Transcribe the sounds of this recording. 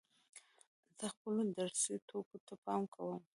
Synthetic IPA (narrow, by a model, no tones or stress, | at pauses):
zəxpəlod̪aɾsit̪ʰokot̪apɑmkʰawəm